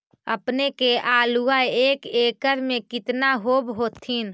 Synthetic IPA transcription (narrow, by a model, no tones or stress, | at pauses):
əpnekeʔaːluaeːkeːkəɾmẽkɪt̪naɦoːbɦoːt̪ʰin